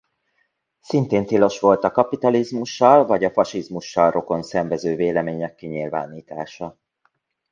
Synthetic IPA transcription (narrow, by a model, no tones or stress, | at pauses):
sint̪eːnt̪ilo̞ʃʋo̞lt̪ɒkɒpit̪ɒlizmuʃːɒlvɒɟɒfɒʃizmuʃːɒlrʔo̞ko̞nsɛɱvɛzøːveːlɛmeːɲɛkːiɲilva̰ːniːt̪a̰ːʃɒ